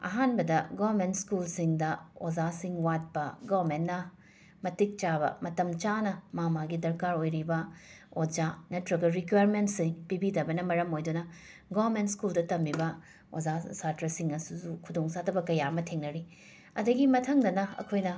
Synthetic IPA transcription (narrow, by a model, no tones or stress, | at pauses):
ɐ̰ɦanbɐdɐɡawɐɾmentskulsiŋdɐo̰zasiŋwat̚pɐɡabɾmenːɐ | mɐtik̚t͡ʃabɐ̰mɐtɐmt͡ʃanɐmamaɡidɐɾkaɾojɾibɐ | od͡ʒanɐtɾɐɡɐɾikwajɾmentsiŋpibidɐbɐnɐmɐɾɐmojdunɐ | ɡaβɾmentskuldɐtɐmːibɐ | ozasatɾɐsiŋɐsusukʰudoŋsatʰɐbɐkɐjamɐtʰeŋnɐɾi | ɐ̰dɐɡimɐtʰɐŋdɐnɐɐ̰kʰojnɐ